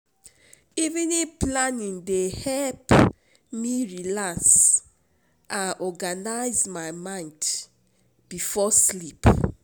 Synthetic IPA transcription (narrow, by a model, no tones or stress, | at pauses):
ivĩniplanĩndehɛlp | miɹilaks | ʔãnʔɔɡanaɪzmaɪmãɪ̃nd | b̥ifɔslip